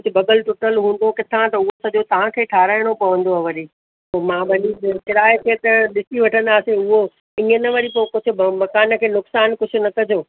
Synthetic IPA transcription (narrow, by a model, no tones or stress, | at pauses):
ʊd͡ʑʊbɐɡəlʈʊʈəlɦũːnd̪okɪt̪ʰãt̪ɐʊɦosɐʄot̪ɐʋ̤ãkʰeːʈʰaːɾaːɪɽ̃opɐʋə̃nd̪oɦɐʋɐɾi | koːmãːbʱɐnikɪɾaːekʰeːt̪ɐɗɪsiʋɐʈʰə̃nd̪aːsẽʊɦo | ɪ̃ːənɐʋɐɾipokʊd͡ʑʰʱʊmɐkaːnə̆kʰeːnʊksaːnkʊd͡ʑʰʱʊ̆nɐkɐd͡ʑʱoː